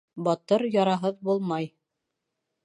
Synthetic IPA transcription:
bɑt̪ɤɾjɑɾɑɦɤðbulˠmɑj

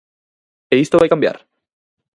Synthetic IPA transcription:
eist̪oβajkambja̰ɾ

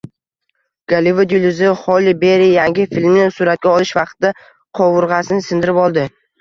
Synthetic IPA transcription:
ɡ̥alɪvʊd̪julɪzɪχɒlɪbe̞ɾijaŋɡʲɪfilʲmnɪsʊɾat̪̚kʲaɒlˠɪʃvɑq̚t̪ɪd̪a | qʰɒwʊɾʁɑsɪnɪsɪnd̪ɪɾɪpɒlˠd̪ɪ

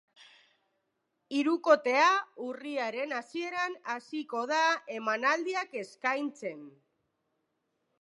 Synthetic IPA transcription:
iɾuko̞t̪e̞auriaɾe̞nasie̞ɾanasiko̞ð̞ae̞manald̪iake̞skajnt͡se̞n

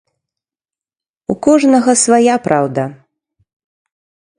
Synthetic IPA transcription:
ukɔʐnɐɣɐsvajapɾʔawd̪ɐ

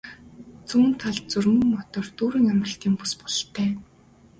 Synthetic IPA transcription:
t͡suːnt̪ʰaɮt͡sɵrmɵ̆ŋːɔt̪ɔːrt̪uːɾiːŋamrə̆ɬt̪iːŋpu̥spɔ̥ɮt̪ʰːæː

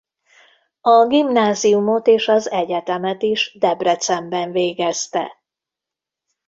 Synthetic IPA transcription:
ɒɡimnaːzijumo̞t̪eːʃɒzɛɟɛt̪ɛmɛt̪iʒd̪ɛbrɛt̪sɛmbɛɱveːɡɛst̪ɛ̰

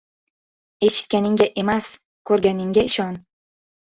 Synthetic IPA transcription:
e̞ʃɪ̥t̪̚kʲanɪŋɡʲaʔe̞mas | kʰɵɾɡʲanɪŋɡʲaɪʃɒn

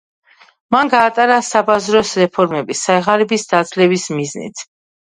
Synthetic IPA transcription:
manɡaːt̪ʼaɾasabazɾɔsɾɛpʰɔɾmɛbisaɛʁaɾɛbisd̪ad̪zlɛbismiznḭt̪ʰ

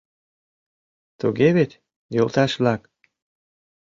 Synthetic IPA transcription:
t̪uɣeβet̪ʲ | jolˠt̪ɑʃβlɑk

